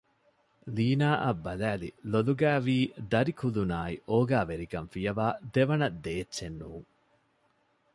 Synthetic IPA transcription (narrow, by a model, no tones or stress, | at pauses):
liːnaːʔɐbːɐlæːlḭloluɡæːʋiːd̪ɐɾikulunaːiʔoːɡaːʋeɾikɐnfijɐʋaːd̪eʋɐnɐd̪eːtːʃenːuːŋ